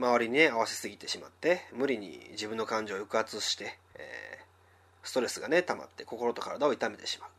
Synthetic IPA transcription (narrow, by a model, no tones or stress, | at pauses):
maβ̞aɾʲiɲ̟ine̞aβasi̥sɨɡʲit̪e̞ɕima̰t̪ːe̞mɯ̟ɾʲiɲ̟ḭd͡ʑibɯ̟nːo̞kãɲ̟d͡ʑo̞ːjɯ̟kɯ̟at͡sɨɕi̥t̪e̞̰ː | sɨ̥t̪o̞ɾe̞sɨɡanet̪ama̰t̪ːe̞ko̞ko̞ɾo̞t̪o̞kaɾad̪ao̞it̪ame̞t̪e̞ɕi̥ma